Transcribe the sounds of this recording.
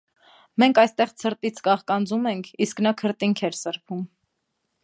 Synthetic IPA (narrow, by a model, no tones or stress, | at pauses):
mɛŋkʰɑjst̪ɛʁt͡sʰəɾt̪it͡sʰɡɑχkɑnd͡zumɛŋkʰisknɑkʰəɾt̪iŋkʰɛɾsəɾpʰum